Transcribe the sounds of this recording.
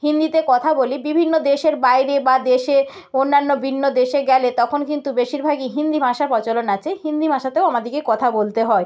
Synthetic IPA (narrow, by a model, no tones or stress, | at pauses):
hind̪it̪ekɔt̪ʰabolibibʱinːod̪eʃeɾbajɾebad̪eʃe | onːanːobʱinːod̪eʃeɡɛlet̪ɔkʰonkint̪ubeʃiɾbʱaɡiɦind̪ibʱaʃaɾpɔt͡ɕolonat͡ɕʰehind̪ibʱaʃat̪eoamad̪ikekɔt̪ʰabolt̪eɦɔe